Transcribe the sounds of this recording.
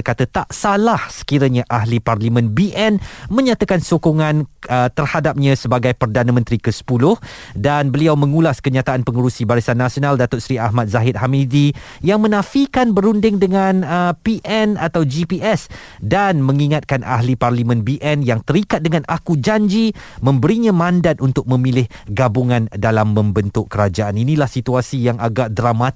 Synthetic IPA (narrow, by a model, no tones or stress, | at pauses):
kat̪ət̪aʔsalahsə̥kiɾəɲãʔaɦliparlimə̃nbiʔɛnmə̃ɲãt̪akansokoŋãnət̪ərhadap̚ɲãsəbaɡajpərdanãmə̃nt̪ɾikəsə̥pulʊh | danbəliawmə̃ŋulaskəɲat̪aʔanpəŋuɾusibaɾisanːasionaldat̪ʊʔsɾiahmat̪̚zaɦɪt̪̚hamidi | jaŋmə̃nãfikanbəɾundɪŋdəŋãnəpiʔɛnat̪awd͡ʒipiɛs | danmə̃ŋiŋat̪̚kanʔa̰ɦliparlimə̃nbiʔɛnjaŋt̪əɾikat̪̚dəŋãnʔakud͡ʒaɲd͡ʒimə̃mbəɾiɲãmãndat̪̚unt̪ʊk̚mə̃milɪh | ɡabuŋãndalamːə̃mbənt̪ʊkkːəɾad͡ʒaʔaninilahsit̪uasijaŋaɡaʔdɾamat̪